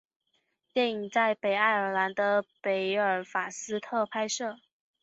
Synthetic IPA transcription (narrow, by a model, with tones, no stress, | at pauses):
t̪jɛ˥˩ni˨˩ŋt͡sa˥˩ɪpe˨˩ɪa˥˩ɪə˞˨˩la˧˥nd̪ə˧pe˧˥ɪə˞˨˩fa˨˩sɹ̩˥t̪ʰɤ˥˧pʰa˥ɪʂɤ˥˩